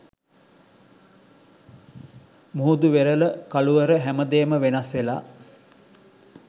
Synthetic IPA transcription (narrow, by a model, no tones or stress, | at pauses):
muud̪uʋeɾələkaluʋəɾəɦæməd̪eːməʋenasʋela̰ː